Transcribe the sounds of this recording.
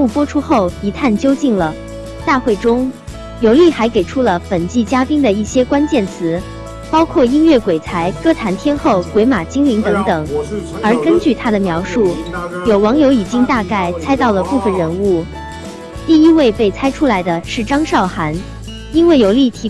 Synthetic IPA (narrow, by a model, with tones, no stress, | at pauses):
u˥˩pwɔ˥ʈ͡ʂʰu˥xo˥˩ʊi˧˥t̪ʰa˥˩nt͡ɕjo˥ʊt͡ɕi˥˩ŋlə˩ | t̪a˥˧xwe˥˩ɪʈ͡ʂʊ˥ŋ | jo˧˥ʊli˥˩xa˧˥ɪke˨˩ɪʈ͡ʂʰu˥lə˨fə˨˩nt͡ɕi˥˩t͡ɕja˥pi˥ŋd̪ə˨i˥˩ɕjɛ˥kwa˥nt͡ɕjɛ˥˩nt͡sʰɹ̩˧˥ | pɑ˥ʊkʰwɔ˥˩i˥nɥɛ˥˩kwe˨˩t͡sʰa˧˥ɪkɤ˥t̪ʰa˧˥nt̪ʰjɛ˥nxo˥˩ʊkwe˧˥ɪma˨˩t͡ɕi˥ŋli˧˥ŋt̪ɤ˧˥ŋt̪ɤ˨˩˦ŋ | ə˞˧˥kə˥nt͡ɕy˥˩t̪ʰa˥d̪ə˨mjɑ˧˥ʊʂu˥˩jo˨˩ʊwɑ˧˥ŋjo˧˥ʊi˨˩t͡ɕi˥ŋt̪a˥˧ka˥˩ɪt͡sʰa˥ɪt̪ɑ˥˩ʊlə˩pu˥˩fə˨˩nɻə˧˥nu˥˩ | t̪i˥˩i˥we˥˧ɪpe˥˩ɪt͡sʰa˥ɪʈ͡ʂʰu˥la˧˥ɪd̪ə˧ʂɻ̩˥˩ʈ͡ʂɑ˥ŋʂɑ˥˩ʊxa˧˥n | i˥nwe˥˩ɪjo˨˧˩ʊli˥˩t̪ʰi˧˥